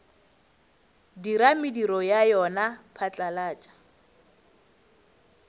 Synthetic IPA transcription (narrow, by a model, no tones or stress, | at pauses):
diɾamɪdiɾɔjajɔnapʰat͡ɬʼalaːt͡ʃʼḁ